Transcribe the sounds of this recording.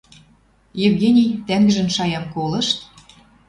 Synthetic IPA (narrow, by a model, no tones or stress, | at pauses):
jevɡʲenʲijt̪æŋɡə̆ʒə̆nʃɑjɑmkolɤ̆ʃt̪